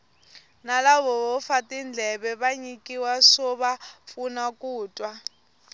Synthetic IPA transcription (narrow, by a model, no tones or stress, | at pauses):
nalaβɔβɔfatʼind͡ɮʱɛɓɛɓaɲikʼiwasɔɓafunakʼuːtʼwa